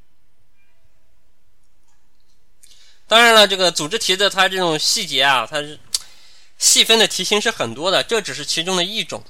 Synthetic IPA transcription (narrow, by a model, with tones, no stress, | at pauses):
t̪ɑ˥ŋɻa˧˥nlə˧ʈ͡ʂɤ˥˩ɡə˩t͡su˨˩ʈ͡ʂɻ̩˥t̪ʰi˧˥d̪ə˧t̪ʰa˥ʈ͡ʂɤ˥˩ʈ͡ʂʊ˨˩ŋɕi˥˩t͡ɕjɛ˧˥a˧t̪ʰa˥ | ɕi˥˩fə˥nd̪ə˨t̪ʰi˧˥ɕi˧˥ŋʂɻ̩˥˩xə˨˩nt̪wɔ˥d̪ə˨ʈ͡ʂɤ˥˩ʈ͡ʂɻ̩˨˩ʂɻ̩˥˩t͡ɕʰi˧˥ʈ͡ʂʊ˥ŋd̪ə˨i˥˩ʈ͡ʂʊ̰˨˩˦ŋ